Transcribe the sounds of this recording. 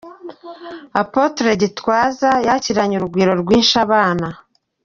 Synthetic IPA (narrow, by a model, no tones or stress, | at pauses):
apotɾe̞ɟitwaːzajaciɾaɲuɾuɡwiːɾo̞ɾɡwiːnʃaβaːna